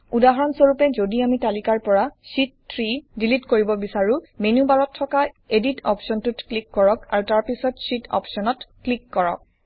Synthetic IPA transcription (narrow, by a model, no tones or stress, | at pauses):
udaɦɔɹɔnsoɹupɛzodiamitalikaɹpɔɹasitːʰɹidilitkoɹibɔbisaɹʊmenubaɹɔtʰːɔka | editɔ̰pʰsɔntutklikːɔɹɔka̰ɹutaɹpisɔtsitɔ̰psɔnɔtklikːɔɹɔ̰k̚